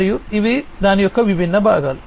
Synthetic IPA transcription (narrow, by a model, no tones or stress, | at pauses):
ɾjuiʋid̪aːnijɔkːɐʋibʱinːɐbʱa̰ːɡɐl